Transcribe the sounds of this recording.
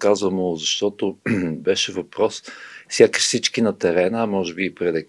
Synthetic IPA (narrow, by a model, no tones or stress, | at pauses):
kazvəmozɐʃt̪ɔt̪ʊbɛʃɛvɐpɾɔsfsʲjakə̥ʃsit͡ʃkinɐt̪ɛɾɛnəmɔʒɛbiːpɾɛd̪ɛ